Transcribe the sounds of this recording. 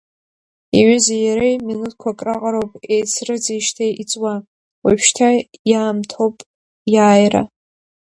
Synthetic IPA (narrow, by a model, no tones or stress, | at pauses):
iʕʏzajaɾejminut̚ʰkʷʰakʼraqʼaɾowpʼejt͡sʰrɨd͡zeʃtʰejit͡sʼwa | wapʰʃtʰajaːmtʰowpʼ | jaːjra̰